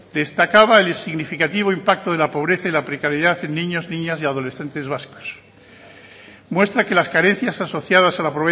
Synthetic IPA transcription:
d̪̥e̞st̪akaβaelsiɣnifikat̪iβ̞oimpak̚t̪oð̞e̞lapo̞β̞ɾeθailapɾekaɾjeðaθe̞nːĩɲo̞znĩɲasiað̞o̞le̞sθe̞nt̪e̞zβasko̥s | mwe̞st̪ɾake̞laskaɾẽ̞n̟θjasaso̞θjaðasalapoe

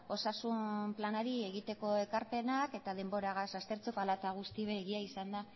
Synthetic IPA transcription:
o̞sasumplanaɾie̞ɣit̪e̞ko̞e̞kaɾpe̞nake̞t̪að̞e̞mbo̞ɾaɣasast̪e̞ɾt͡sopalat̪aɣ̞ust̪iβeːɣiaisand̪a

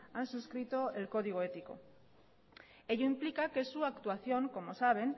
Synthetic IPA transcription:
ansuskɾit̪o̞elko̞ð̞iɣ̞oe̞t̪iko̞̰ | e̞ʎoimplikake̞suakt̪uaθjo̞ŋko̞mo̞saβ̞e̞n

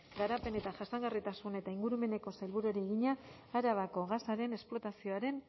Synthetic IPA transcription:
ɡaɾape̞ne̞t̪aʝasaŋɡarit̪asune̞t̪aiŋɡuɾume̞ne̞ko̞salβuɾoɾieɣiɲaː | ɾaβ̞ako̞ɣasaɾe̞ne̞splo̞t̪asio̞aɾe̞n

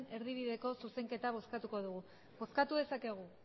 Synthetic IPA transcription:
ne̞ɾðiβ̞iðe̞ko̞suse̞ŋke̞t̪aβ̞o̞skat̪uko̞ðuɣ̞u | βo̞skat̪uðe̞sake̞ɣ̞u

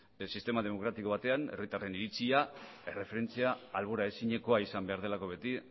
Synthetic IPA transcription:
sist̪e̞mað̞e̞mo̞kɾat̪iko̞β̞at̪e̞ane̞̰rit̪are̞niɾit͡sia | e̞re̞fe̞ɾe̞nt͡siaːlβoɾaesiɲe̞ko̞aisambe̞aɾð̞e̞lako̞βe̞t̪i

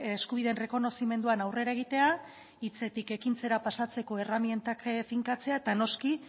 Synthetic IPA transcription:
eskuβ̞iðe̞nre̞ko̞no̞sime̞nd̪uanawre̞ɾaeɣ̞it̪e̞a | it͡se̞t̪ike̞kint͡se̞ɾapasat͡se̞ko̞e̞ramie̞nt̪akfiŋkat͡se̞aet̪ano̞ski

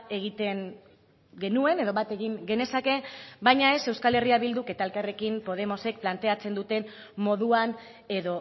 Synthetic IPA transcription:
e̞ɣ̞it̪e̞ŋ | ɡe̞nue̞ne̞ðo̞βat̪e̞ɣiŋɡe̞ne̞sake̞bajɲae̞se̞wskale̞riaβild̪uke̞t̪aelkare̞kimpo̞ð̞e̞mo̞se̞k̚plant̪e̞at͡se̞nd̪ut̪e̞n | mo̞ðuan | e̞ðo̞

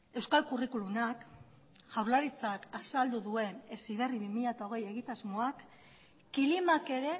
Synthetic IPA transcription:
e̞wskalkurikulunak | ʝawɾlaɾit͡sakasald̪uðue̞ne̞siβ̞e̞riβimiʎat̪aoɣ̞e̞je̞ɣit̪azmo̞akː | ilimake̞ɾe̞

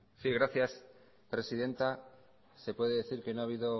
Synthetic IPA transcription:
siɣ̞ɾaθjas | pɾe̞sið̞e̞nt̪a | se̞pwe̞ðeðeθiɾke̞noaβ̞iðo

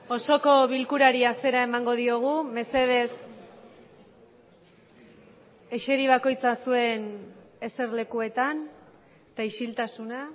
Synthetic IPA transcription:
o̞so̞ko̞βilkuɾaɾiase̞ɾae̞maŋɡo̞ð̞io̞ɣ̞ume̞se̞ð̞e̞s | e̞ʃe̞ɾiβ̞ako̞jt͡sasue̞ne̞se̞ɾle̞kue̞t̪an | t̪aiʃilt̪asuna

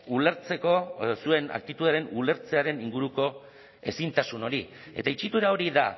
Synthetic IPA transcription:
uleɾt͡se̞ko̞sue̞na̰kt̪it̪uðɾenule̞ɾt͡se̞aɾe̞niŋɡuɾuko̞ | e̞sint̪asuno̞ɾi | e̞̰t̪ait͡ʃit̪uɾao̞ɾiða

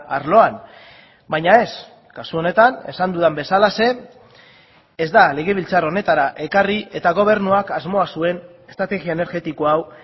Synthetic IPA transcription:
aɾlo̞an | bajɲae̞s | kasuo̞ne̞t̪ane̞̰sand̪uðambe̞salase̞ | zd̪ale̞ɣ̞e̞β̞ilt͡saro̞ne̞t̪aɾaʔe̞kariʔe̞t̪aɣ̞o̞β̞e̞ɾnuakazmo̞asue̞n | e̥st̪ɾat̪e̞ɣiaene̞ɾɣe̞t̪ikoaw

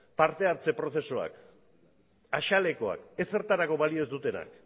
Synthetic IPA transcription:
paɾt̪e̞aɾt͡se̞pɾo̞θe̞soa̰k | aʃale̞ko̞a̰ke̞se̞ɾt̪aɾako̞βaliozd̪ut̪e̞na̰k

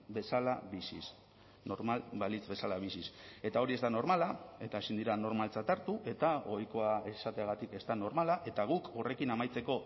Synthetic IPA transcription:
be̞salaβisis | no̞ɾmalbalit͡sbe̞salaβ̞isise̞t̪ao̞ɾie̞zd̪ano̞ɾmalae̞t̪aesind̪iɾano̞ɾmalt͡sat̪aɾt̪uʔe̞t̪ao̞jko̞ae̞sat̪e̞aɣ̞at̪ike̞zt̪ano̞ɾmalaʔe̞t̪aɣ̞uko̞re̞kinamajt͡se̞ko̞

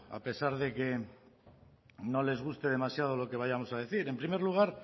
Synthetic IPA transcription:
a̰pe̞saɾðe̞ke̞ | no̞le̞zɣ̞ust̪e̞ð̞e̞masjað̞o̞lo̞ke̞β̞ajamo̞saðe̞θiɾe̞mpɾime̞ɾluɣ̞aɾ

